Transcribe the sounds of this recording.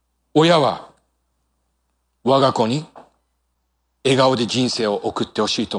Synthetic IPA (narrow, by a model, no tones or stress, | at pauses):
o̞jaβa̰ | βaɡako̞ɲ̟i | e̞ɡao̞d̪e̞d͡ʑĩɰ̃se̞ːo̞ʔokɯ̟t̪ːe̞ho̞ɕiːt̪o